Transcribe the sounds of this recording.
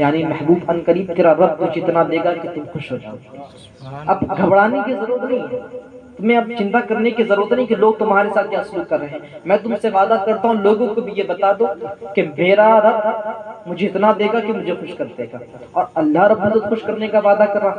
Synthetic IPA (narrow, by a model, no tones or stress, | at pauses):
jaːnimɛhbuːbɐnkəɾiːb̚t̪eːɾaɾɐb̚mʊd͡ʒʱeɪt̪nad̪eːɡaket̪ʊmxʊʃɦoːd͡ʒa̰ːo | ɐbɡʱɐbɽaːnekezɐɾuːɾət̪nɐɦĩt̪ʊmẽɐbt͡ʃɪ̃nt̪akɐɾnekezɐɾuːət̪nɐɦĩkiloːɡ̚t̪ʊmɦaːɾesaːt̪̚ʰjãːsluːkːɐɾːɐɦẽːmɛ̃ːt̪ʊmseʋaːd̪akɐɾt̪aɦũloːɡõkobʱijebɐt̪aːd̪oːkemeːɾaɾɐb̚mʊd͡ʒʱeɪt̪nad̪eːɡakemʊd͡ʒʱexʊʃkɐɾd̪eːɡaːɔːɾɐlːaɦɾɐbːuzət̪xʊʃkɐɾnekaʋaːd̪akɐɾːaː